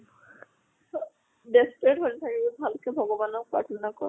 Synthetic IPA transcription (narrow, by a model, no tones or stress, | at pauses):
despɹeʈɦolit̪ʰakibebʱalkebʱɔɡɔbanɔpa̰ʈʰɔnakɔ